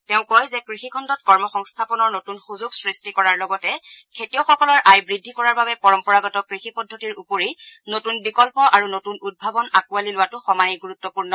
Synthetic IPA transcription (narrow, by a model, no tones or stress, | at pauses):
teʊ̃kɔjzɛkɹixikʰɔndɔt̚kɔɹmɔxɔŋstʰapɔnɔɹnotunxuzuɡsɹistikɔɹaɹlɔɡɔtɛkʰetiɔxɔkɔlɔɹʔajbɹidʱːikɔɹaɹbabɛpɔɹɔmpɔɹaɡɔtɔkɹixipɔdʱːotiɹupoɹinotunbikɔlpɔʔaɹunotunud̚bʱabɔnakualilʊwatʊxɔmaniɡuɹutːɔpuɹnɔ